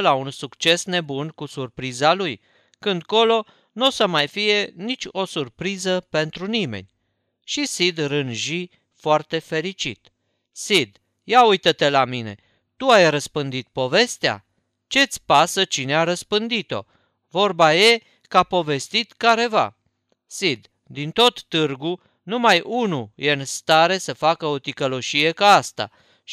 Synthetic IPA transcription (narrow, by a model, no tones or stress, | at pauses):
launsukt͡ʃe̞sne̞bunkusurpɾizaluj | kɨnd̪ko̞lo̞ | nusəmajfije̞nit͡ʃʲo̞surpɾizəpe̞nt̪ɾunimḛnʲ | ʃisid̪rɨnʒi | foart̪e̞fe̞ɾit͡ʃḭt̪ | sid̪ | jaujt̪ət̪e̞lamine̞̰ | t̪uajrəspɨnd̪it̪̚po̞ve̞st̪ea̰ | t͡ʃe̞t̪sʲpasət͡ʃineaɾəspɨnd̪it̪o̞̰ | vo̞rbaje̞ | kapo̞ve̞st̪it̪kaɾe̞va̰ | sid̪ | d̪int̪o̞t̪ːɨrɡu | numajʔunujenst̪aɾe̞səfakəo̞t̪ikəlo̞ʃije̞kaast̪a̰